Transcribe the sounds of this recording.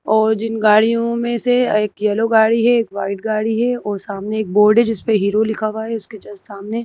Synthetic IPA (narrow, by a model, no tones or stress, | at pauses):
ɔːɾd͡ʒɪnɡaːɽijõmẽseeːkjɛloɡaːɽiɦɛeːkʋaːɪʈ̚ɡaːɽiɦɛɔːɾsaːmneːk̚boːɾɖɛd͡ʒɪspeɦiːɾolɪkʰaʋaɦɛʊsket͡ʃɐlzsaːmne